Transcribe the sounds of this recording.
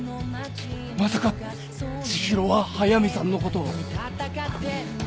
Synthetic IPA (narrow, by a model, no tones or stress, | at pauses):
masaka | t͡ɕiɕiɾo̞βahajamʲisãnːo̞kot̪o̰